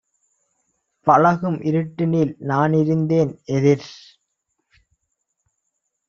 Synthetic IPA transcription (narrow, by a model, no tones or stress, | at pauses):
pɐlɐɣɯmʔɪɾɯʈːɪniːlnaːnɪɾɯnd̪eːnɛðɪɾ